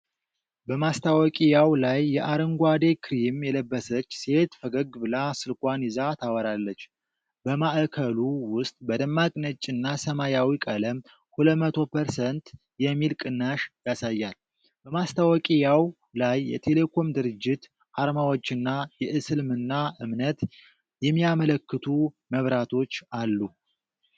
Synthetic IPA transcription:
bəmast̪ʰawɔkʼijawlajːɛʔaɾəŋɡʷad̪ekʰɨɾimjɛləbːəsət͡ʃːse̞t̪fəɡəɡɨbɨlasɨlkʼʷanizat̪ʰawəɾalːət͡ʃː | bəmaʔəkʰəluwʊst̪ʼbəd̪əmːakʼnət͡ʃʼːɨnːasəmajawikʼələm | huləmət̪ʰo̞pʰəɾsənt̪ | jɛmːilkʼɨnːaʃjasajːal | bəmast̪ʰawɔkʼijaw | lajːɛ̰t̪ʰe̞le̞kʰo̞md̪ɨɾɨd͡ʒːɪt̪ | ʔaɾmawot͡ʃːɨnːajɛʔɨsɨlmɨnːaʔɨmnət̪ | jɛmːijamələkːɨt̪ʰu | məβɾat̪ʰo̞t͡ʃːalːu

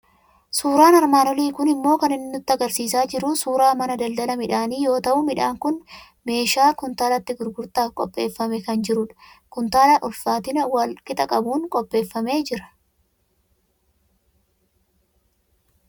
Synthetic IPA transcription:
suːɾaːnɐɾmaːnɔliːkʊnɪmːo̞ːkɐnɪnːʊt̪ːɪɐɡɐɾsiːsaːd͡ʒɪɾʊsuːɾaːmɐnɐd̪ɐld̪ɐlɐmɪᶑaːniːjo̞ːt̪ɐʔʊmɪᶑaːŋkʊn | me̞ːʃaːkʊnt̪aːlɐt̪ːɪɡʊɾɡʊɾt̪aːfkʼɔ̰pʼːe̞ːfːɐmɛkɐnd͡ʒɪɾʊᶑɐ̥kʊnt̪aːlɐʔʊlfaːt̪ɪnɐwɐlkʼɪt̪ʼɐkʼɐbuːŋkʼɔpʼːe̞ːfːɐme̞ːd͡ʒɪɾɐ̥

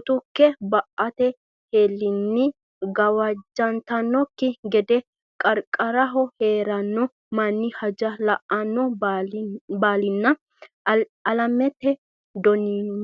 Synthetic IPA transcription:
t̪ʊkːɛbɐʔɐt̪ɛ | heːlːɪnːɪ | ɡɐwɐd͡ʒːɐnt̪ɐnːɔkːɪɡɛd̪ɛ | kʼɐɾkʼːɐɾɐɦɔheːɾɐnːɔ | mɐnːɪhɐd͡ʒɐlɐʔʔɐnːɔ | baːlɪnːɐ | ɐlɐmɛt̪ːɛ | d̪ɔnin

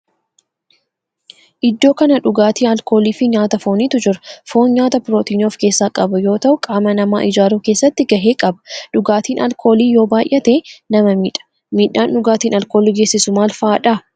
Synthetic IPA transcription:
ʔɪd̪ːo̞ːkɐnɐᶑʊɡaːt̪iːɐlko̞ːliːfɪɲaːt̪ɐfoːniːt̪ʊd͡ʒɪɾɐ̥fo̞ːnɲaːt̪ɐpɾoːt̪iːnoːfke̞ːsːaːkʼɐbɐjo̞ːt̪ɐʔʊkʼaːmɐnɐma̰ːʔɪd͡ʒaːɾuːke̞ːsːɐt̪ːɪɡɐɦe̞ːkʼɐbɐ̥ᶑʊɡaːt̪iːnɐlkʰo̞ːliːjo̞ːbaːjʔɐt̪eːnɐmɐmiːᶑɐ̥ | miːᶑːaːnᶑʊɡaːt̪iːnɐlko̞ːliːɡe̞ːsːɪsʊmaːlfaːᶑaː

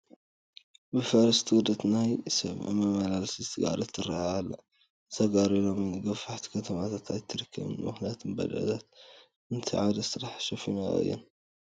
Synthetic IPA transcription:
bɨfɐɾɐst̪ʰwud̪ɐt̪najsɐm̰ʕmɐmɐlalsit̪ɨɡa̰lɐt̪ːɨɾːaalːɐ | t̪ɐɡaɾilomnɡɐfaħt̪ʰi̥kʰɐt̪ʰɐmat̪ʰat̪ajt̪ʰːɨɾɨkʰːɐβɨ̰nmɨxnijat̪ʰɨnbɐ̰lɐ̰t̪ʰat̪ | ɨnt̪ʰiʕad̪ɐsɨɾaħʃɐfina̰ɨ̰jːɛ̰n

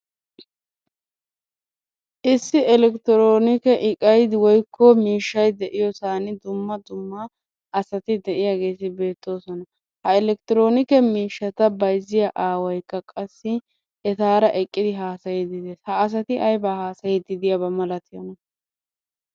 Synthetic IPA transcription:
ʔɪsːɪɛlɛkt̪ɪɾoːnɪkɛʔɪkʼɐjd̪ɪwɔjkʰːɔmiːʃːɐjd̪ɛʔɪjɔsaːnɪd̪ʊmːɐd̪ʊmːɐ | ʔɐsɐt̪ɪd̪ɛʔɪjaɡe̞ːsɪbe̞ːt̪ːo̞ːsɔnɐ | hɐɛlɛk̚t̪ɪɾo̞ːnɪkɛmiːʃːɐt̪ɐbɐjzɪjaʔaːwɐjkːɐkʼɐsːɪ | ʔɛt̪aːɾɐʔɛkʼːɪd̪ɪɦaːsɐjɛd̪ɪd̪ɛshɐːs̬ɐt̪ɪʔɐjbaːhaːsɐjɛd̪ɪd̪ɪjabɐmɐlɐt̪ɪjɐnɐ

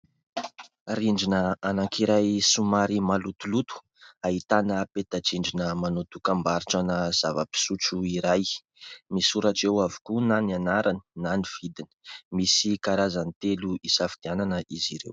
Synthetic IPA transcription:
riɳɖ͡ʐinəanakʰiɾajsumaɾimalut̪ulut̪u̥ | aɦit̪anəpet̪ad͡ʒiɳɖ͡ʐinəmanot̪ukambaɾiʈ͡ʂanəz̥avəpi̥sut͡suiɾaj | misuɾaʈ͡ʂewavu̥kunananaɾʔannaniv̥id̪inə̥misikaɾazanit̪eluisafi̥d̪̥iananəʔiziɾḛw

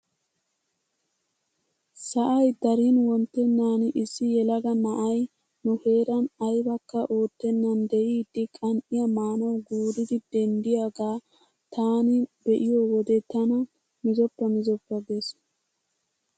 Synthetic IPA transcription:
sɐʔɐjd̪ɐɾiːnwɔnt̪ːɛnːaːnɪsːɪjɛlɐɡɐnɐʔɐj | nʊhe̞ːɾɐnɐjbɐkːɐʔo̞ːt̪ːɛnːɐnd̪ɛjiːd̪ːɪkʼɐnʔɪjɐmaːnɐwɡuːɾɪd̪ɪd̪ɛnd̪ɪjaɡaː | t̪ʰaːnɪbɛʔɪjowɔd̪ɛt̪ːɐnɐ | mɪzɔpːɐmɪzɔpːɐɡeːs

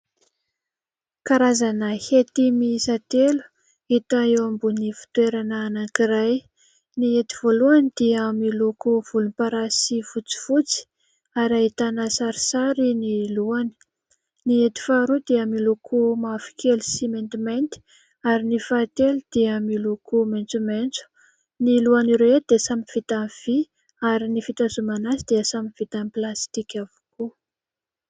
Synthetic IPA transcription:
kaɾazanəhet̪imisat̪elu̥ | et̪aewambunifi̥t̪weɾanəːnaŋkiɾaj | niet̪i̥voluanid̪̥iəamilokov̥ulunpaɾasivut͡si̥fut͡si̥ | aɾait̪anəsaɾi̥saɾiniluani̥ | niet̪i̥faɾud̪eamilokʰomafi̥kʰelisiment̪iment̪i̥ | aɾinifat̪eld̪̥emilokʰoment͡sument͡su̥ | niluaniɾeed̪̥esamiv̥it̪anv̥i | aɾinifit̪azumanasid̪̥eəsamiv̥it̪anplast̪ikʲavu̥ku

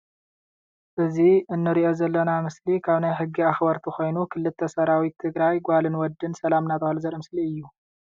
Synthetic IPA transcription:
ʔɨziɨnːɨɾiʔo̞zɐlːɐnamɨslikʰaβnajɦɨɡːiaxbɐɾt̪ʰixo̞jnukʰɨlːɨt̪ʰːɐsɐɾawit̪ʰːɨɡɾajɡʷalɨnwɔd̪ːɨnsɐlamnat̪ʰɐhalzɐɾɐmɨsliɨjːu

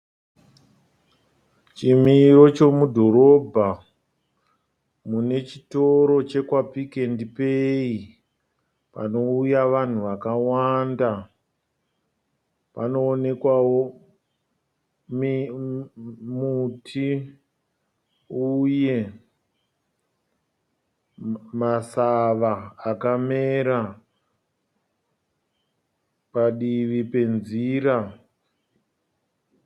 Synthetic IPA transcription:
t͡ʃimiɾo̞t͡ʃo̞mudʱo̞ɾo̞bʱa | mune̞t͡ʃito̞ɾo̞t͡ʃe̞kwapike̞ndipei | pa̰no̞ujaʋan̤uʋakawanda | pa̰no̞ːne̞kwawo | mi | mutʰi | uje̞ | masaʋaːkame̞ɾa | paɗiʋipe̞nziɾa

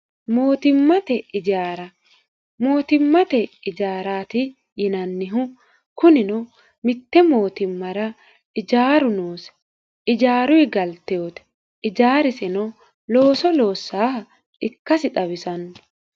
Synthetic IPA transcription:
mo̞ːt̪ɪmːɐt̪ɛɪd͡ʒaːɾɐ | mo̞ːt̪ɪmːɐt̪ɛɪd͡ʒaːɾaːt̪ɪ | jɪnɐnːɪɦʊ | kʊnɪnɔ | mɪt̪ːɛmo̞ːt̪ɪmːɐɾɐ | ɪd͡ʒaːɾʊnoːs | ɪd͡ʒaːɾʊɪɡɐlt̪ɛoːt̪ɛ̥ | ɪd͡ʒaːɾɪsɛnɔ | lo̞ːsɔlo̞ːsːaː | ɪkːɐsɪt̪ɐβɪsɐnː

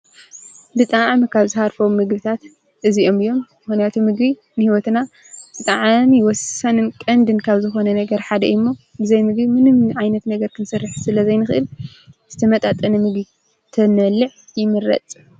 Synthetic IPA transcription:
bɨt̪ʼaʕmkʰaβzɨhaɾfɐwmːɨɡbɨt̪ʰat̪ | ʔɨziʔo̞mɨjːo̞mːɨxunjat̪ʰumɨɡβi | nɨhiwɔt̪na | b̥ɨt̪ʼaʕmiwɔsɐnɨnkʼɐnd̪ɨnkʰaβzɨxo̞nɐnɐɡɐɾħad̪ɐʔjmːobɨzɐjmɨɡbimɨnɨmʕajnɐt̪nɐɡɐɾkʰɨnsɐrːɨħsɨlɐzɐjnɨxɨʔɨl | z̥ɨt̪ʰɐmɐt̪ʼat̪ʼɐnɐmɨɡbi | t̪ʰɐnɐlːɨʕjɪmɨɾɐ̰t͡s̪ʼ

